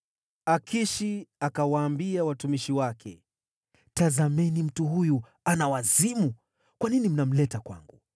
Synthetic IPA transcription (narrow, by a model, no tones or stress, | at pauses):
akʰiʃiakawaːmbiawatumiʃiwakʰɛ | tazamɛnim̩tuɦuju | anawazimu | kwaninim̩nam̩lɛtakwa̰ŋɡṵ